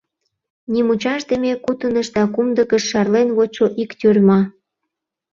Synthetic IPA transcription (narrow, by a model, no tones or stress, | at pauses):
nimut͡ɕɑʃd̪əmʲekut̪ənəʃd̪ɑkumd̪əkəʃːɑrlenβot͡ɕoʔikt̪ʲyrʲmɑ